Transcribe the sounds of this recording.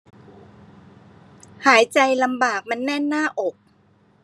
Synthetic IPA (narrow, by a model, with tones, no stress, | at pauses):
haː˩˦jt͡ɕa˧jla˧mbaː˨˩k̚ma˧nːɛ˥˩nːaː˥˩ʔo˨˩k̚